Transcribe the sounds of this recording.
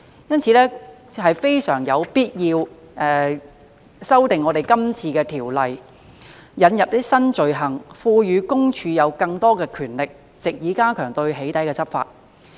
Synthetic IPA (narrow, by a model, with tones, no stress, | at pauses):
jɐ˥nt͡sʰiː˨˧lɛː˥ | hɐ˨jfe˥jsœ̰ː˨˩ŋjɐ˨˧wpiː˥t̚jiː˧w | ʔɛː˨ | sɐ˥wt̪ɪ˨ŋːɔː˨˧ɾe˨˩jkɐ˥mt͡sʰiː˧kɛː˧t̪ʰiː˨˩wlɐ˨˩j | jɐ˨˧njɐ˨p̚t̪i˥sɐ˥nt͡ʃɵ˨ɥɦɐ˨˩ŋfuː˧jyː˨˧kʊ˥ŋt͡ʃʰyː˨˧jɐ˨˧wkɐ˧ŋt̪ɔː˥kɛː˧kʰyː˨˩nlɪ˨k̚ | t͡sɪ˨k̚jiː˨˥kaː˥kʰœː˨˩ŋt̪ɵ˧ɥɦe˨˥jt̪ɐ˨˥jkɛː˧t͡sʰɐ˥p̚fa̰ː˧t̚